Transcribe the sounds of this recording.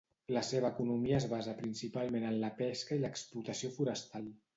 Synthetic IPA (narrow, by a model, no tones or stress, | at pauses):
ləseβəːkunumiəːzβazəpɾinsipalˠmenənləpɛskəiləksplut̪əsiofuɾəst̪alˠ